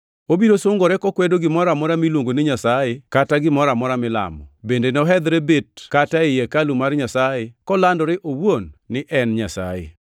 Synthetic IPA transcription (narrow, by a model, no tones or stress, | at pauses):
obiɾosoŋɡɔɾɛkɔkwɛdoɡɪmɔɾamɔɾamilwoŋɡonɪɲasajekataɡɪmɔɾamɔɾamɪla̰mɔbendenɔɦɛd̪ɾebet̚kataɪjɛkalumarɲasajekɔlandɔɾɪʔowonːɪʔɛnɲasa̰jḛ